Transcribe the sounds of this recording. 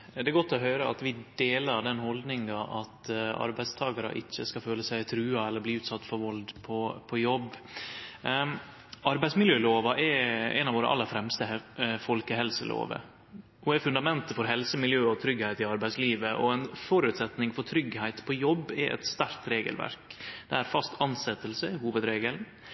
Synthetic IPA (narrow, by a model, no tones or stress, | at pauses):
d̪ɛɛɾɡɔt̪ːɔɦøːɾəɑt̪ʋɪd̪eːlɑɾɖ̪ɛnhɔld̪nɪŋɑʔɑt̪ɑ̰ɾbæɪst̪ʰɑːɡɑɾə̰ʔɪçːəskɑføːləsæɪt̪ʰɾʉːɑɛlːəɾbliːʉːt̪sɑt̪ːfɔɾʋɔld̪pʰɔpʰɔjɔbː | ɑɾbæɪsmɪljøːloːʋɑʔɛɾɛ̰nɑʋoːɾə̰ʔɑ̰lːəɾfɾɛmst̪əfɔlkəɦɛlsəlo̰ːʋə̰ | hʊæfʉnd̪ɑmɛnt̪əfɔɾɦɛlsəmɪljøːɔt̪ʰɾʏɡhæɪt̪ɪɑɾbæɪsliːʋəʔɔ̰ɛnfɔɾʉt̪sɛt̪nɪŋfɔɾʈ̪ʰɾʏɡhæɪt̪pʰɔjɔbːɛʔɛ̰t̪st̪æɾkt̪ɾeːɡə̰lʋæ̰ɾkd̪ɛæɾfɑst̪ɑnsɛt̪ːəlsəɪɦuːʋəd̪ɾeːɡəln